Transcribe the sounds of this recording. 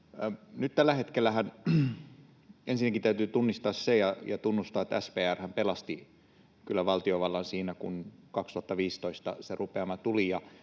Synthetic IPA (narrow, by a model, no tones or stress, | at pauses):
nyt̪t̪ælːæhet̪kelːˑæhæn | ensinːækit̪æyt̪yːt̪unːist̪ɑːssejɑjɑt̪unːust̪ɑet̪æspeːærhæmpelɑst̪i | kylːæʋɑlt̪ioʋɑlːɑnsiːnækunkɑkst̪ŭhɑt̪ːɑʋiːst̪oist̪ɑ̰serupeɑmɑt̪ulijɑ